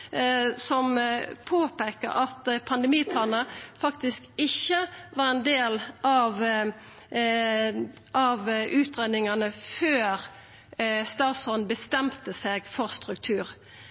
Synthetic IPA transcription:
sɔmpʰoːpeːkə̰ɾɑt̪pʰɑnd̪ɛmiːp̪ʰɑːnəfɑkt̪ɪskɪçːəʋɑːʁɛnd̪eːlʔɑʋ | ʔɑʋʔʉːt̪ʁɛd̪ɪŋɑnəføːʁ | st̪ɑːsɔnbəst̪ɛmt̪əseːɡfɔʁst̪ɾʉk̚t̪ʰʉːʁ

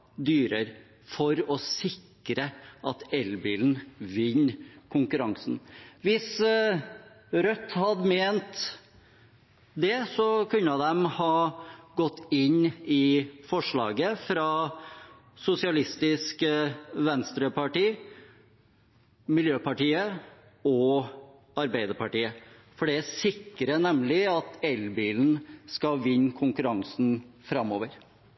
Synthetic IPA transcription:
d̪yːɾəɾ | fɔɾɔsɪk | ɾəʔɑt̪ɛlbḭːln̩ʋɪɲːkʰʊŋkʉɾɑŋsn̩ʋɪs | ɾœt̪ːhɑd̪meːnt̪ | d̪ɛsɔkʰʉnːəd̪ɛmhɑːɡɔt̪ːɪnːɪfɔʂɭɑ̰ːɡəfɾɑ | sʊsɪɑlɪst̪ɪskʋɛnst̪ɾəpʰɑʈiː | mɪljøːpɑʈiːə | ɔ | ɑɾbæɪd̪əpɑʈiːə | fɔɖɛæsɪkːɾənɛmlɪɑt̪ɛlbiːln̩skɑʋɪɲːkʰʊŋkʉɾɑŋsn̩fɾɑmːoːʋəɾ

